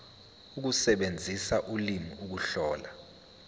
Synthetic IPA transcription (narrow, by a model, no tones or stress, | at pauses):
uk̬usɛɓend͡zʱisaʔulimiuk̬uɬɔːla